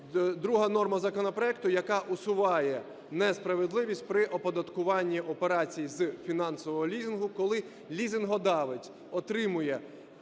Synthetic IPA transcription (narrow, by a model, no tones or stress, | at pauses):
d̪ɾuɦɐnɔrmɐzɐkɔnɔpɾɔɛkt̪ʊjɐkɑʔʊsʊʋɑjɛ | nɛspɾɐʋed̪lˠɪʋʲisʲtʲpɾɪʔɔpɔd̪ɐt̪kʊʋɑnʲːiʔɔpeɾɑt͡sʲijizfʲinɑnsɔʋɔɦɔlʲizʲɪnɦʊkɔlˠɪ | lʲizʲɪnɦɔd̪ɑʋɪtʲ | ɔt̪ɾɪmʊjɛ